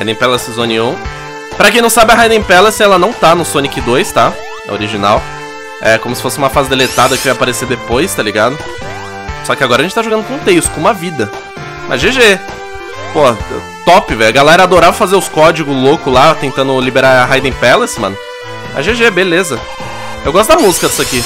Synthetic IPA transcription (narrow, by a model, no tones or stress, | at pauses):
ajd̪ẽj̃pɛlɛsizõniũ | pɾɐkẽj̃nɐ̃w̃sabɪɐɦajd̪ẽj̃pɛlest̪ɛlɐnɐ̃w̃t̪anʊsõnikɪd̪ojst̪a | ɛ̰oɾiʒina̰w | ɛkõmʊsɪ̥fosɪũmɐfazɪd̪elet̪ad̪ɐkɪvajapaɾeseɾd̪epojst̪aliɡad̪ʊ | sɔkɪaɡɔɾɐʒẽt͡ʃɪt̪aʒoɡɐ̃d̪ʊkõt̪ejst̪ʊkũmɐvid̪ɐ | ʔɐ̰ʒeʒe | poɐ̰ | t̪ɔpɪvɛjɐɡalɛɾɐːd̪oɾavɐfazeɾʊskɔd͡ʒiɡʊzlokʊlat̪ẽnt̪ɐ̃nd̪ʊlibeɾaɾɐɦajd̪ẽj̃pɛlesmɐ̰̃n | ɐ̰ʒeʒebelezɐ | ewɡɔst̪ʊd̪ɐmuzikɐd̪ɪ̥saki